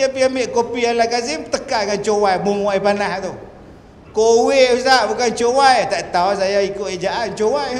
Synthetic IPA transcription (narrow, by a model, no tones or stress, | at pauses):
apiambiʔkopialakazit̪əkanŋant͡ʃowajbuŋwajpanaht̪u | kowesaʔbukant͡ʃowajt̪aʔt̪awsajaikoʔid͡ʒaʔant͡ʃowaj